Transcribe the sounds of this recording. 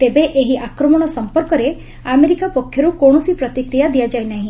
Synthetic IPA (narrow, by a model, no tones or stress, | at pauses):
t̪ebeʔeɦiʔakɾɔmɔɽ̃ɔsɔmpɔɾkɔɾe | ameɾikapɔkʰːjɔɾukoɽ̃ɔsipɾɔt̪ikɾijad̪ijad͡ʒaenaɦĩ